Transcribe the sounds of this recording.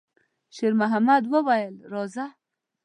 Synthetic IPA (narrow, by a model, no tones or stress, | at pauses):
ʃeɾmaɦamad̪wəwajəlɾoza